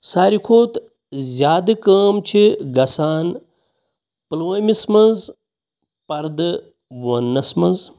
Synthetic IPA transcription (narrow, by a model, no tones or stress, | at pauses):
saːɾikʰoːt̪ | zʲjaːd̪ɨkəːmt͡ʃʰiɡɐsaːn | pɨlomismɐnz | pɐɾd̪ɨ | wɐnːɐsmɐnz